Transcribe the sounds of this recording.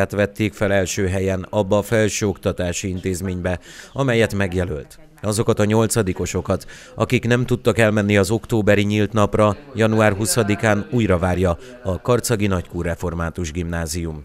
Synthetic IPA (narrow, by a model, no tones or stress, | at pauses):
at̪ʋɛt̪ːeːkfɛlɛlʃøːɦɛjɛnɒbːɒːfɛlʃøːo̞kt̪ɒt̪aːʃiint̪eːzmeːɲbɛɒmɛjɛt̪mɛɡjɛlølt̪ | ɒzo̞kɒt̪ɒɲo̞lt̪sɒd̪iko̞ʃo̞kɒt̪ | ɒ̰kiknɛmt̪ut̪ːɒkɛlmɛnːiɒzo̞kt̪oːbɛɾiɲilt̪nɒprɒjɒnuaːrɦusɒd̪ikaːnuːjrɒvaːrjɒ | ɒkɒrt̪sɒɡinɒckuːrːɛfo̞rmaːt̪uʒɡimnaːzijum